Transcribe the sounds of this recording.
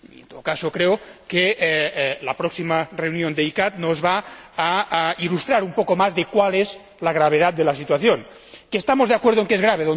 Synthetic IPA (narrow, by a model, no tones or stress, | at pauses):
iḛnt̪oðokasokɾeoke | lapɾɔksimareunjond̪eikat̪nozβaː | ilust̪ɾaɾumpokomazðekwalez | laɣɾaβ̞eðat̪̚d̪elasit̪waθjon | keːst̪amozðeakweɾð̞oeŋkezɣɾaβ̞eðo